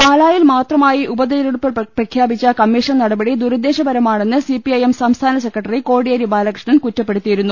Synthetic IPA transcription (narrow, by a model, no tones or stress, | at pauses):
paːlaːjilmaːt̪rɐmaːjiʔubɐd̪eɐɾɐɽupːɐprɐkʰjaːbit͡ɕːɐkɐmːiːʂɐnnɐɽɐbɐɽid̪uɾɐd̪e̞ːɕɐbɐɾɐmaːɳe̞nːɨsipiɐjemsɐmst̪ʰaːnɐsekːrɐʈːɐriko̞ːɽijɐɾibaːlɐkrʂɳɐnkutːɐpːe̞ɽut̪ːijiɾunːu